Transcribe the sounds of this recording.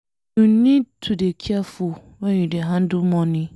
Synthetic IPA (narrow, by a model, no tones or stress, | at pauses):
nũnĩtʰudekʰiafʊ | wɛ̃ɲĩdɛɦãn̩dʊmɔ̃nɪ̃